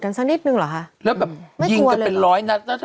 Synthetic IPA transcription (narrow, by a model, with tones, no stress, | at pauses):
ka˧nsaː˧˥ni˦˥t̪̚nɯ˧ŋlɔː˨˩kʰa˦˥ʔle˦˥p̚ːɛː˨˩pm˥˩ji˧ŋkːe˧nlɔː˨˦˥jna˦˥t̚na˦˥t̪